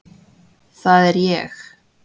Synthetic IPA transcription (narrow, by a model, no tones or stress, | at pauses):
θaðɛɾjeːx